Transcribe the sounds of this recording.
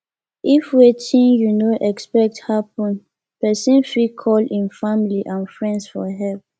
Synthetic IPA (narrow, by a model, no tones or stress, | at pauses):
ʔifwetʰĩnjunoʔɛkspɛk̚thapɔ̃n | pɛsĩnfikʰɔlĩnfamiliʔãnfɹɛ̃ndsfɔɦɛlp̚